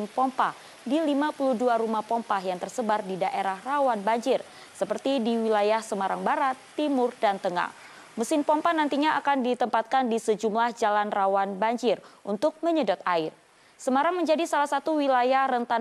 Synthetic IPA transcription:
npɔmpah | dilimapuluduaɾumahpɔmpaɦjaŋt̪ərsəbardidaʔeɾahrawanbaɲd͡ʒɪr | səpərt̪idiwilajahsəmaɾaŋbaɾat̪ːimʊrdant̪əŋa̰h | məsɪnpɔmpahnant̪iɲaakandit̪əmpat̪̚kandisəd͡ʒumlahd͡ʒalanrawanbaɲd͡ʒɪrʔunt̪ʊk̚məɲədɔt̪̚aɪr | səmaɾaŋməɲd͡ʒadisalahsat̪uwilajahrənt̪a

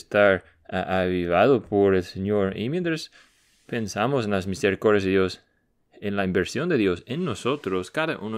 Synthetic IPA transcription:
st̪aɾ | aʔaβiβaðopoɾelseɲoɾḭmjẽnt̪ɾas | pensamos̬enlasmiseɾikoɾðjazðeðjos | enlaimbeɾsjond̪eðjosenːosot̪ɾoskaðaʔuno

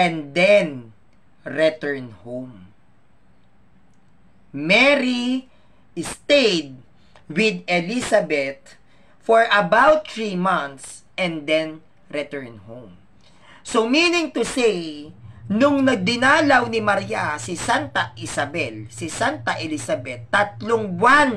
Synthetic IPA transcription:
ʔɛ̃nd̪ɛn | ɹɛt̪ɛɹnhõwm | mɛɹi | st̪ejd̪̚ | wɪd̪ɛlisabɛt̪̚ | fɔɹʔɐbawt̪ːɹimãnt̪s | ʔɛ̃nd̪ɛ̃n | ɾɛt̪ɛɹnhõwm | sominɪ̃ŋt̪ʊsej | nʊŋnɐɡ̚d̪ɪnaːlɐwnɪmɐɾiasɪsant̪ɐʔɪsɐbɛlsɪsant̪ɐʔɛlisabɛt̪ːɐt̪̚loŋwan

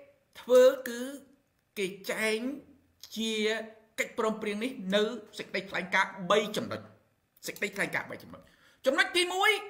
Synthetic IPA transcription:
t̪ʰʋəːkɨː | keːt͡ɕaɛŋ | t͡ɕiə | kəc̚prɔːmpriəŋnihnɨwsək̚əɗəjt̪ʰlaɛŋkaːɓəjt͡ɕɑmno̰c̚ | sək̚ɗəjt̪ʰlaɛŋka̰ːɓə̰jt͡ɕɑmno̰c̚ | t͡ɕɑmnoc̚t̪iːmuəj

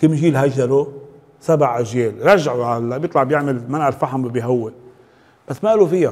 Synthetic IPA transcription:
kɪmʒiːlɦaʒːaɾo | sabaʕʔaʒjeːlɾˤɑʒːaʕuʕalːabjɨt̪ˤlɑʕbjɪʕmɪlmanʔalfaħambɪbiɦawːɪl | b̥asːmaʔalufɪjːa

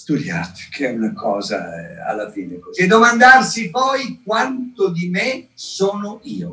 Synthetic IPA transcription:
st̪ud̪jaːt̪e̥kʰɛunakʰɔːza̰a̰lːafiːnekoed̪omand̪arsipɔjk̚want̪od̪imesoːnʊiːo

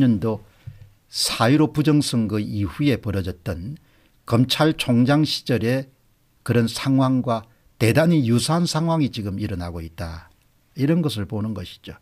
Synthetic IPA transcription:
ʌndo | sʰaiɾopud͡ʑʌŋsʰʌŋɡɯiɸue̞pʌɾʌd͡ʑʌt̚t͈ʌn | kʌmt͡ɕʰaɭt͡ɕʰoŋd͡ʑaŋɕʰi̥d͡ʑʌɾe̞ | kɯɾʌnsʰaŋɦwaŋɡwa | te̞daɲijusʰaɦansʰaŋwaŋit͡ɕiɡɯmiɾʌnaɡoit̚t͈a | iɾʌnɡʌs̬ʰɯɭponɯnɡʌɕʰi̥d͡ʑo

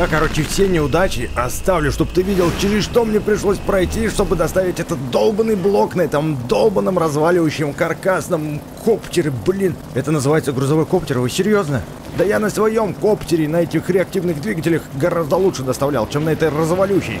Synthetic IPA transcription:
jakɐɾo̞t͡ɕɪfsʲenʲɪʊd̪at͡ɕɪɐst̪avlʲʊʂt̪o̞bt̪ɨvʲidʲɪlˠt͡ɕɪɾʲɪsʂt̪o̞mnʲepɾʲɪʂlˠo̞sʲpɾɐjtʲiʂt̪o̞bɨd̪ɐst̪avʲɪtʲɛt̪ət̪̚d̪o̞lˠbənːɨjblˠo̞knɐɛt̪əmd̪o̞lˠbənːəmrɐzvalʲɪvəjʉɕːɪmkɐrkasnəm | kʰoptʲɪɾʲɪblʲin | ɛt̪ənəzɨvajɪt̪səɡɾʊzɐvo̞jko̞ptʲɪrvɨsʲɪɾʲjo̞znə | d̪əjanəsvɐjo̞mko̞ptʲɪɾʲɪnɐɛtʲɪxɾʲɪɐk̚tʲivnɨɣd̪vʲiɡətʲɪlʲəxɡɐɾazd̪əlˠutʂɨd̪əst̪ɐvlʲalˠt͡ɕemnɐɛt̪əjrəzvalʲuɕːɪ̰j

